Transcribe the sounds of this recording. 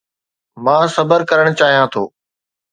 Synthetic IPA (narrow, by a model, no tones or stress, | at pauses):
mãːsɐbəɾkəɾəɽ̃t͡ɕaːɦijãːt̪ʰo̰ː